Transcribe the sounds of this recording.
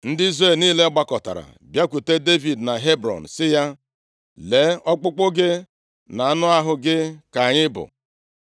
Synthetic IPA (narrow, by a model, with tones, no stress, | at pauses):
n̩˦dɪ˦i˦zɾe˦˨lniː˦le˦ɔ˦ɡ͡ba˦kɔ˨ta̰˨ɾa̰˨bja˦kʷu˨te˦de˦vi˨dna˨ɦe˦bɾɔ̰˨n̩˨sɪ˦ja˦ | le˨˦ɔ˦k͡pʊ˦k͡pʊ˦ɡɪ˦ | na˨a˦nʊ˦a˦ɦʊ˨ɡɪ˦ka˨ɲɪ˦bʊ̰˨